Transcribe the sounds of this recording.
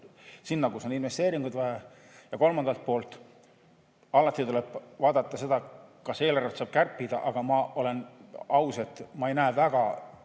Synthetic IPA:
sinːɑkuso̞ninve̞st̪e̞ːɾiŋɡ̥ud̪væɦe | jɑko̞lmɑnd̪̥ɑlt̪̚po̞ːlt̪ˑ | ɑlːɑt̪ːˑit̪ule̞b̥vɑːd̪̥ɑt̪ːˑɑse̞d̪̥ɑkɑse̞ːlærɑt̪sɑːb̥̚kærpːid̪ɑʔɑɡ̥ɑmɑo̞le̞nɑwse̞t̪ːˑmɑejnæːvæɡ̥ɑ

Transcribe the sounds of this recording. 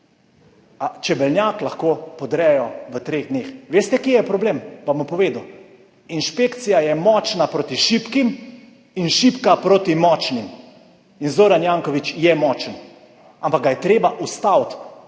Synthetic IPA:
at͡ʃɛbɛlnjaːklaxkoːpɔd̪ɾɛjɔʋət̪ɾeːɣd̪neːxʋeːst̪ɛkjejɛpɾɔbleːmʋamupɔʋeːd̪u | inʃpekt̪sijajɛmɔt͡ʃnapɾot̪iʃipkim | inʃipkapɾot̪imɔːt͡ʃnim | inzoːɾanjaŋkɔʋit͡ʃjɛmɔːt͡ʃən | ampak̚ɡajɛt̪ɾeːbaʔust̪awt̪

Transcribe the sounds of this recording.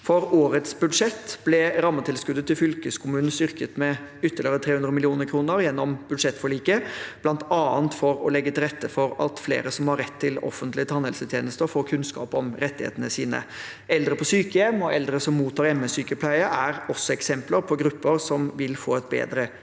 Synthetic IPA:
fɔɾoːɾət̪sbʉd̪ʂɛt̪ːb̥lɛɾɑmːət̪ʰɪlskʉd̪ːət̪ːɪlfʏlkəskʰʊmʉːnn̩st̪ʏɾkət̪mɛʏt̪ːəlɪəɾət̪ʰɾeːhʉnd̪ɾəmɪlɪuːnəɾkʰɾuːnəɾjɛnːɔmb̥ʉd̪ʂɛt̪ːfɔɭiːkəb̥lɑnt̪ɑːənt̪fɔɾɔlɛɡːət̪ɪlɾɛt̪ːəfɔɾɑ̰t̪flḛːɾəsɔmhɑɾɛt̪ʰːɪlɔ̰fənt̪lɪət̪ʰɑnhɛlsət̪ʰjeːnəst̪əfoːɾkʰʉnskɑ̰ːpɔmɾɛt̪ːɪhḛːt̪ənəsiːnə̰ | ɛld̪ɾəpʰɔsyːkəjɛmɔʔɛld̪ɾəsɔmːuːt̪ʰːɑːɾɛməsyːkəpʰlæɪəʔæɾɔsːɔɛksɛmpləɾpʰɔɡɾʉpːəɾsɔmʋɪlfoːɛt̪̚bḛːd̪ɾə

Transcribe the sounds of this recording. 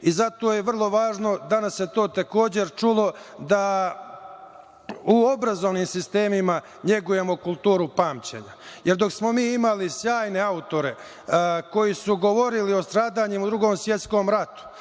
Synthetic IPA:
izat̪o̞ːjeʋr̩lˠo̞ʋaːʒno̞d̪anasjet̪o̞ːt̪eko̞ːd͡ʑe̞ɾt͡ʃulo̞d̪a | uo̞bɾazoʋnimsist̪e̞ːmima | ɲe̞ɡuje̞mo̞kulˠt̪uːɾupaːmt͡ɕḛɲajeɾd̪o̞ksmo̞miːimalisjaːjne̞aut̪o̞ɾe̞ | ko̞jisuɡo̞ʋo̞ɾilio̞st̪ɾaːd̪aɲemud̪ɾuɡoːmsʋje̞t̪skoːmɾat̪u̥

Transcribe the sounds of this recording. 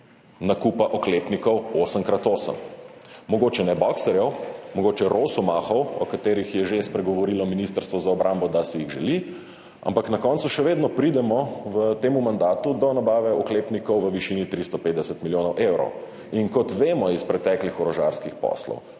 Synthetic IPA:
nakupaʔɔklepnikɔwoːsəmkɾat̪oːsə̰mmɔɡoːt͡ʃɛnɛbɔksɛɾjɛwmɔɡoːt͡ʃɛɾʔoːsumaxɔwɔ̰kat̪eːɾixjɛʒespɾɛɡɔʋɔɾilɔminist̪əɾst̪ʋɔzaɔbɾʔambɔd̪asiiɣʒɛ̰li | a̰mpaknakɔnsuʃɛʋeːd̪nɔpɾid̪ɛmɔʋət̪eːmumand̪aːt̪ud̪ɔnabaːʋɛɔkleːpnikɔwʋəʋiʃinit̪ɾist̪ɔpet̪d̪ɛsət̪miljoːnɔwʔewɾɔ̰w | iŋkɔt̪ʋeːmɔispɾɛt̪ɛklixɔɾɔʒa̰ɾskixpɔ̰slɔ̰w

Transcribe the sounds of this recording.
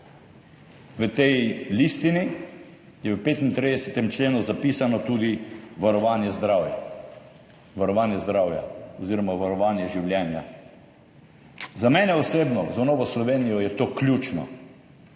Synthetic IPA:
ʋət̪ɛjlist̪ini | jɛʋəpeːt̪int̪ɾid̪ɛsɛt̪ɛmt͡ʃleːnuzapiːsanɔt̪uːd̪iʋaɾɔʋaːnjɛzd̪ɾaːwja̰ | ʋaɾɔʋaːnjɛzd̪ɾaːwja̰ɔziːɾɔmaʋaɾɔʋaːnjɛʒiwljɛːnja | zamɛːnɛɔseːbnɔ̰zanoːʋɔslɔʋeːnijɔjɛt̪oːklʲjut͡ʃnɔ̰

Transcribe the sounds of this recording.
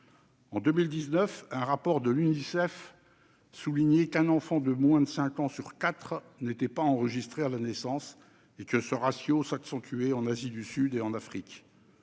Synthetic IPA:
ɑ̃d̪ømild̪iznœfɛ̃ʁapɔʁd̪əlynisɛf | suliɲekɛ̃nɑ̃fɑ̃d̪əmwɛ̃d̪əsɛ̃kɑ̃syʁkat̪χ | net̪ɛpaɑ̃ʁəʒist̪χealanɛsɑ̃s | ekəsəʁasjosaksɑ̃t̪ʰyeɑ̃nazid̪ysyd̪eɑ̃nafχik

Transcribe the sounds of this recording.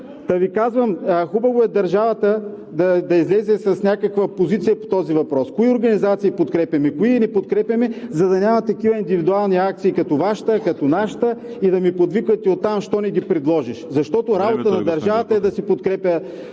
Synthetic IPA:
t̪ɐvikazvəmːxubɐvoɛd̪ɐɾʒavɐt̪ə | d̪ɐd̪ɐizlɛzɛsɐsnʲakɐkvəpozit̪sijɐpo̥t̪ɔzivɐpɾɔskoioɾɡɐnizat̪siːpot̪kɾɛpʲjɐmɛkoiɛnɛpot̪kɾɛpʲjɐmɛzɐd̪ɐnʲamɐt̪ɐkivɐind̪ivid̪ualˠniak̚t̪siːkɐt̪ovaʃt̪əkɐt̪onaʃt̪ə | id̪ɐmipod̪vikvɐt̪iot̪ːamʃt̪ɔnɛɡipɾɛd̪lˠɔʒiʃzɐʃt̪ɔt̪oɾabot̪ənɐd̪ɐɾʒavət̪əɛd̪ɐsipot̪kɾɛpʲjə

